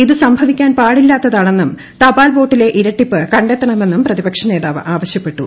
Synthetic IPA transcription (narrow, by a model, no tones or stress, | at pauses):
iðɨsɐmbʱɐʋikʲːaːnpaːɽilːaːt̪ːɐðaːɳe̞nːum | t̪ɐbaːlʋo̞ːʈːile̞ʔiɾɐʈːipːɨkɐɳɖet̪ːɐɳɐme̞nːumprɐðibɐkʂɐne̞ːðaːʋʔaːʋɐɕjɐpːe̞ʈːu